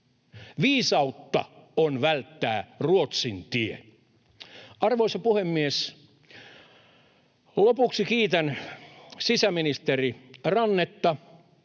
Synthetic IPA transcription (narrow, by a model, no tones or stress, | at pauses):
ʋiːsɑut̪ːɑ̰onʋælt̪ːæːruot̪sint̪iḛ | ʔɑrʋoisɑpuhemːies | lopuksikiːt̪æn | sisæminist̪erirɑnːet̪ːɑ